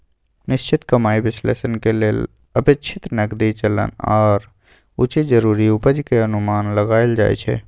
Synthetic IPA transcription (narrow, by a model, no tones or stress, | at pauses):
nɪʃt͡ʃɪt̪kəmaːiʋɪslḛːʃənkelel | əpɪt͡ʃʰɪt̪nɐkd̪it͡ʃələ̰nɔːɾ | ʊt͡ʃed͡ʒəɾuːɾiʊpəd͡ʒkeənʊmaːnləɡaːɪld͡ʒa̰ːḛt͡ʃʰɛ̰ː